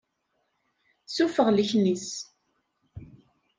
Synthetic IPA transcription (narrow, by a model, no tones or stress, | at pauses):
sufəʁləçnis